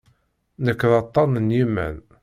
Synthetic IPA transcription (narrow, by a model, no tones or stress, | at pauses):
nəkːðɑt̪ˤːɑnənjimːæ̰n